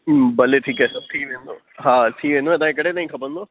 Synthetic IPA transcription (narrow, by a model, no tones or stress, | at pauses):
bɐleʈʰiːkasɐtʰiːkʋẽːnd̪o̰ː | ɦaːt̪ʰiːkʋẽːnd̪oẽt̪ãːkẽkɐɽet̪ãːĩkʰɐpə̃nd̪oː